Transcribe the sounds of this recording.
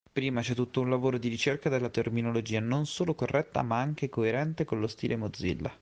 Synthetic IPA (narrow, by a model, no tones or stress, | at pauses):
pɾiːmat͡ʃɛt̪ːut̪ːounlavoːɾod̪iɾit͡ʃerkad̪elːat̪erminolod͡ʒiːanonsoːlokorːʔɛt̪ːa̰maaŋk̟ekoeɾɛnt̪ekonlost̪iːlʔemod̪zḭlːa̰